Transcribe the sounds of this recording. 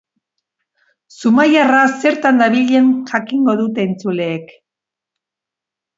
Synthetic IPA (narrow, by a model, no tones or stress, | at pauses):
sumajarase̞ɾt̪and̪aβiʎe̞ŋʝakiŋɡo̞ðut̪e̞ːnt͡sule̞ːk